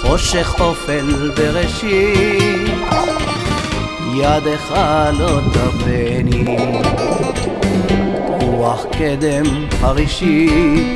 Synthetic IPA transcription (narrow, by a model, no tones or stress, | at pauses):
χo̞ʃeχofelbeʁeʃi | jad̪eχalotabeni | ʁuaχked̪emhaʁiʃi